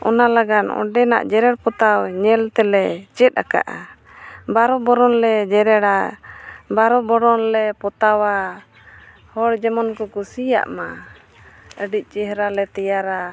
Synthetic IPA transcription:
ɔ̰nalaɡanɔ̰̃ɖɛna̰ʔd͡ʒɛɾɛɽpɔt̪awɲɛlt̪ɛlɛt͡ʃɛt̪̚a̰ka̰ʔa̰ | baɾɔbɔɾɔnlɛd͡ʒɛɾɛɽa | baɾɔbɔɾɔnlɛpɔt̪awa | hɔɽd͡ʒɛmɔnkɔkusija̰ʔma | əɖic̚ˀt͡ʃɛɦɾalɛt̪ɛjaɾa

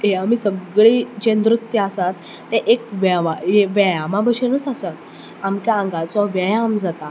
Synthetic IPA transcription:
eamisəɡɭiːd͡ʑẽnd̪ɾut̪jəasat̪ː | eʔekʋaʋajeʋajamãbəɕenət͡sasat̪ | amkjaãŋɡasɔʋjajaːmd͡zat̪a

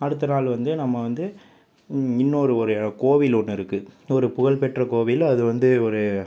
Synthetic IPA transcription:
ɐɽɯt̪ːɐnaːlʋɐnd̪ɯnɐmːɐʋɐnd̪ɯ | ɪnːoːɾɯɔɾɯkoːʋɪlɔɳːɪɾɯkːɯɔɾɯpʊɣɐɭpɛʈrɐkoːʋɪlɐðɯʋɐnd̪ɯɔɾɯ

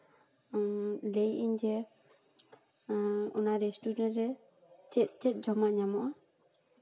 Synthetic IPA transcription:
lejʔiɲd͡ʒɛ | ɔnaɾɛsʈuɖɛnɾɛ | t͡ʃɛt̪̚t͡ʃɛt̪̚ˀd͡ʒɔmaʔɲamɔʔa

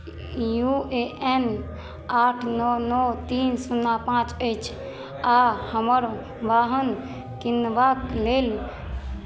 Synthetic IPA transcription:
jueʔɛn | aʈʰnɔnɔt̪insunːapãt͡ʃəjt͡ʃʰ | ahəməɾ | ʋaɦən | kinʋaklel

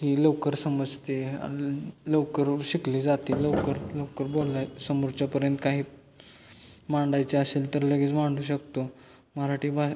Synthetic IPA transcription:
ɦiːləwkəɾsəməd͡zt̪ḛ | ləkəɾɕikliːd͡zat̪iləwkəɾləwkəɾbolːasəmuɾt͡ɕapəɾjənt̪kaɦiː | maɳɖajt͡seəselt̪əɾləɡiːt͡smaɳɖuːɕ̬əkt̪o | məɾaʈʰiːba

